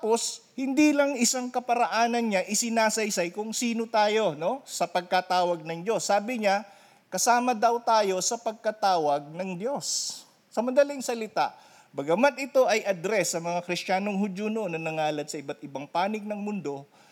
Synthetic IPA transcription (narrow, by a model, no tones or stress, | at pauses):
po̞shɪnd̪iːlɐŋʔɪsaŋkɐpɐɾɐʔaːnɐnɲaʔɪsɪnaːsɐjsɐjkʊŋsiːno̞t̪aːjo̞no̞sɐpɐɡ̚kat̪aːwɐɡ̚nɐŋd͡ʒo̞sːaːbɪɲa | kɐsaːmɐd̪ɐwt̪aːjo̞sɐpɐɡ̚kɐt̪aːwɐɡ̚nɐŋd̪jo̞sː | ɐmɐnd̪ɐlɪŋsɐlɪt̪a̰ʔ | bɐɡɐmat̪̚ʔɪt̪o̞ʔɐjʔɐd̪ɾɛsːɐmɐŋakɾɪstaːnoŋɦʊd̪onoʔonːɐnɐŋaːlɐt̪̚sɐʔɪbat̪̚ɪbaŋpaːnɪɡ̚nɐŋmʊnd̪o̞